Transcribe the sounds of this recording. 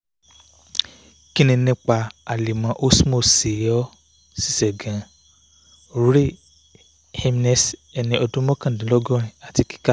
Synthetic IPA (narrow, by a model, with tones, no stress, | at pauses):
ki˦nĩ˧nĩ˧˦k͡pa˧a˨li˨mã˨˦ʔo˦smo˦˨si˨jɔ˦ | si̥˦˨sɛ˨ɡã˨ | ɾu˨˦ɾe˦˨ | he˧m˦nɛ˨sɛ˧nĩ˧ʔɔ˧dũ˦mɔ̃˦kã˦˨dĩ˨˦lɔ˦ɡɔ̃˦ɾ̃ĩ˨a˨ti˧˦ki̥˦ka˦